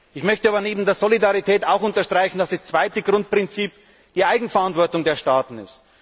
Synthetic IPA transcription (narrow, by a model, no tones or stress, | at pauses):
ʔɪçmœçtəaːbɐneːbm̩deːɐzolidaʁitʰɛːtaʊxʊntɐʃtʁ̥aɪçn̩dasd̥ɛst͡sv̥aɪtəɡʁʊnt̚pʁ̥ɪnt͡siːp | d̥iːʔaɪɡŋ̩fɐʔantv̥ɔɐtʊŋdeːɐʃtaːtn̩ɪ̰st